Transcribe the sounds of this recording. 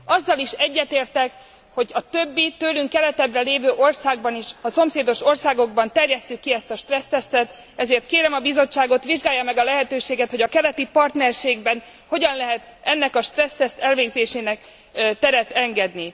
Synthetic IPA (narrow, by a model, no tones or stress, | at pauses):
ɒzːɒliʃɛɟːɛt̪eːrt̪ɛk | ho̞ɟɒt̪øbːit̪øːlyŋkːɛlɛt̪ɛb̪rɛleːvøːʔo̞rsaːɡbɒniʃɒso̞mseːd̪o̞ʃo̞rsaːɡo̞ɡbɒnt̪ɛrjɛstːykːiɛst̪ɒʃt̪rɛst̪ɛst̪ɛt̪ | ɛzeːrt̪keːɾɛmɒbizo̞t͡ʃːaːɡo̞t̪ʋiʒɡaːjːɒmɛɡɒlɛɦɛt̪øːʃeːɡɛt̪ho̞ɟɒkɛlɛt̪ipɒrt̪nɛrʃeːɡbɛn | ho̞ɟɒnlɛɦɛt̪ɛnːɛkɒʃt̪rɛst̪ɛst̪ɛlveːɡzeːʃeːnɛk | t̪ɛɾɛt̪ɛŋɡɛd̪ni